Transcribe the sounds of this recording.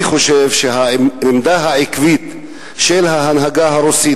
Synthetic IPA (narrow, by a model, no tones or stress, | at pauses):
iχo̞ʃevʃeɦaimd̪aɦaʕikvit̪ | ʃelɦaɦanɦaɡaɦaɾusi